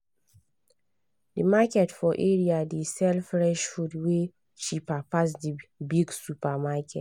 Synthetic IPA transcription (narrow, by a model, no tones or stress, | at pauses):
dəmakɛtfɔʔɛɹiadesɛlfɹɛʃhudwe | ʃipapas̬dibiɡsupamakʰɛ̰t